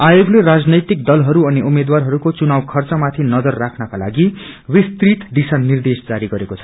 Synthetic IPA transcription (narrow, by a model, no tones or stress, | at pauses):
ajoɡleɾad͡znʌjt̪ik̚d̪ʌlɦʌɾuʌniumed̪warɦʌɾukot͡sunawkʰʌrt͡sʌmat̪ʰinʌd͡zʌrːakʰnʌkala̰ɡiwist̪rit̪d̪isanːird̪esd͡zaɾiɡʌɾekot͡sʰʌ̥